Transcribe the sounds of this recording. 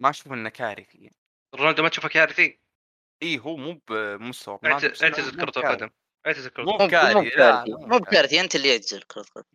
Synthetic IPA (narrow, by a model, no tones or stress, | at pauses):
maʔaʃuːfʔɪnːakaːɾfijan | rˤːand̪umat̪ʃuːfakaːɾɪθi | ʔiːɦuːmuːbmʊst̪awabʕʔɪʕt̪azɪlkʊɾˤt̪ˤɑlqɑd̪am | ʔɪʕt̪ɪzɪlkʊɾˤtuːuaːɾmuːkaːɾimuːbkaːɾɪθiʔɪnt̪ɪlːijɪʕt̪ɪzɪlkʊɾˤt̪ˤqɑ̰d̪m